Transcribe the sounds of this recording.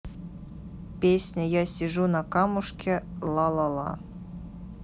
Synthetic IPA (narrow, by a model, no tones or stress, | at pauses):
pʲesʲnʲəjasʲɪʐunɐkɑmuʂkʲelˠɑlˠɑlˠɑ̰